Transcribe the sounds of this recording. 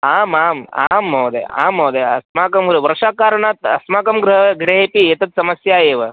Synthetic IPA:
aːmaːma̰ːmɦɐwd̪ḛa̰ːmɦɐwd̪eɐ̰smaːkɐmɡɾɨɦɐʋɐɾʂaːkaːɾɐɳaːt̪ɐ̰smaːkɐmɡɾɨɦɐɡɽeɦeːpiet̪ɐt̪̚sɐmɐsjaːjeːʋɐ

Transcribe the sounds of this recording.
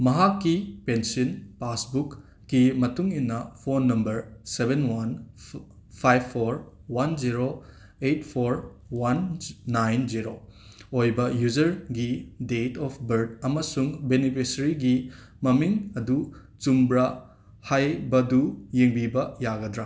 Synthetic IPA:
mɐɦakːipensinpasbukː | imɐtuŋinːɐpʰonːɐmbɐɾsebenwan | pʰajbʰːoɾwanziɾo | etpʰoɾ | wanːajnziɾo | ojbɐjud͡ʒɐɾɡidetɔpʰbɐɾd̚ɐmɐsuŋbenipʰisɐɾiɡi | mɐmiŋɐdu | t͡ʃumbɾa | hajbɐdujeŋbibɐjaɡɐdɾa

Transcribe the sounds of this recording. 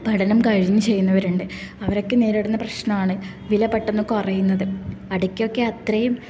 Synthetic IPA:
bʱɐɽɐnɐmkɐɻiɲːɨt͡ɕe̞jːunːɐʋɐɾuɳɖeɐʋɐɾo̞kːɨneːɾiɽunːɐprɐɕnɐmaːɳɨ | ʋilɐbɐʈːɐnːokːɨpɐrɐjunːɐðɨɐɽukʲːo̞kːe̞ɐt̪rɐjum

